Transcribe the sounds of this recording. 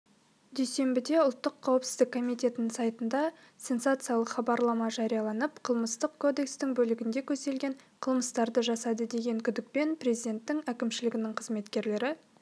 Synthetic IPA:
d̪ejse̞mbɪd̪e̞ʊlˠt̪ːəqʰːɑwəpsɪ̥zd̪ɪkʰːo̞mijt̪ʲe̞t̪ɪnɪŋsɑjt̪ənd̪ɑ | sʲe̞nsat̪sɨjɑlˠəqχɑbɑɾlˠɑmɑʒɑɾijɑlˠɑnəpqʰəlˠməst̪əqkʰo̞d̪e̞kst̪ɪŋbɵlɪɡʲɪnd̪e̞kʲʰɵze̞lɡʲe̞ɴqʰəlˠməst̪ɑɾd̪əʒɑsɑd̪əd̪e̞ɡʲe̞ŋkʲʰʏd̪ɪk̚pe̞nprɾʲe̞zid̪e̞nt̪ːɪŋækʲɪmʃɪlɪɡʲɪnɪŋqʰəzme̞t̪kʲe̞ɾle̞ɾɪ

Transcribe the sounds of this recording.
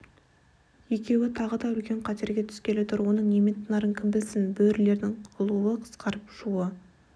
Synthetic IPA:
je̞kʲe̞wɪt̪ʰɑʁəd̪ɑʏlkʲe̞ɴqʰɑt̪e̞ɾɡʲe̞t̪ʰʏ̥skʲe̞let̪ɪɾwo̞nəɴnemet̪ʰːənɑɾəŋkʲʰɪmbɪlsɪnbɵɾle̞ɾd̪ɪŋʊlˠuwəqʰə̥sqɑɾəpʒuə

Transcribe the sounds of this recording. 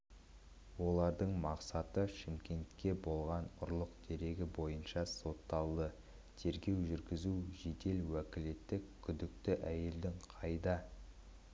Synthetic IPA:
wo̞lˠɑɾd̪əɴmɑqsɑt̪əʃɪmkʲe̞nt̪kʲːe̞bo̞lˠʁɑnʊɾlˠəqd̪̥e̞ɾe̞ɡʲɪbo̞jənʃɑso̞t̪ːɑlˠd̪ə | t̪ʰe̞ɾɡʲe̞wʒʏɾɡʲɪzuʒe̞d̪e̞lwækʲɪle̞t̪ːɪkkʲʰʏd̪ɪk̚t̪ɪʔæje̞ld̪ɪŋqʰɑjd̪ɑ

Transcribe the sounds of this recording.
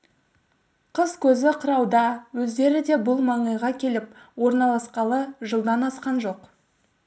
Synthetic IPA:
qʰəz̥kʲʰɵzɪqʰəɾɑwd̪ɑwɵzd̪e̞ɾɪd̪e̞bʊlˠmɑɴəjʁɑkʲʰe̞lɪp̚wo̞ɾnɑlˠɑsqɑlˠəʒəlˠd̪ɑnɑsqɑnʒo̞q

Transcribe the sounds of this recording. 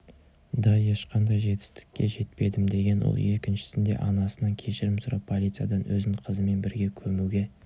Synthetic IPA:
d̪ɑje̞ʃqʰɑnd̪ɑjʒe̞t̪ɪ̥st̪ɪ̥kʲːe̞ʒe̞t̪pe̞d̪ɪmd̪e̞ɡʲe̞nwo̰lˠje̞kʲɪnʃɪ̥sɪnd̪e̞̰ʔɑnɑsənɑŋkʲʰe̞ʃɪɾɪmsʊɾɑpʰo̞lʲit̪sɨjɑ̰d̪ɑnwɵ̰zɪɴqʰəzəme̞nbɪɾɡʲe̞kʲʰɵmuɡʲe

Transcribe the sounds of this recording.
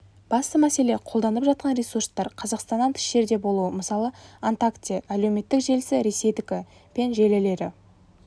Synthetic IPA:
b̥ɑst̪əmæse̞le̞qʰolˠd̪ɑnəpʒɑt̪̚qʰɑnɾʲesurst̪ɑɾqʰɑzɑqst̪ɑnːɑnt̪ʰɪ̥ʃe̞ɾd̪e̞bo̞lˠuəməsɑlˠəant̪akt̪ijaʔæle̞wme̞t̪ːɪkʒe̞lsɪɾe̞se̞jd̪ɪkʲɪ | pe̞nʒe̞lɪle̞ɾɪ̰

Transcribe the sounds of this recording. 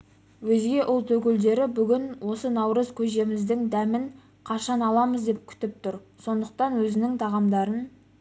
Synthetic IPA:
wɵzɡʲe̞ʔʊlˠt̪ʰɵkʲɪld̪e̞ɾɪbʏɡʲɪnwo̞sənɑwɾəzkʲʰɵe̞mɪzd̪ɪŋd̪æmɪŋ | qʰɑʃɑnɑlˠɑməzd̪e̞p̚kʲʰʏ̥t̪ɪp̚t̪ʰʊɾso̞nd̪əq̚t̪ɑnwɵzɪnɪŋt̪ʰɑʁɑmd̪ɑɾən

